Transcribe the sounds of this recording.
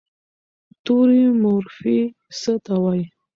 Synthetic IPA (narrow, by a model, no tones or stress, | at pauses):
t̪uɾimʊɾfi | sət̪awaj